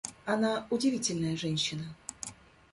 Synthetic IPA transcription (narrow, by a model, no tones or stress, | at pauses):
ɐnaʊdʲɪvʲitʲɪlʲnəjəʐɛnʲɕːɪnə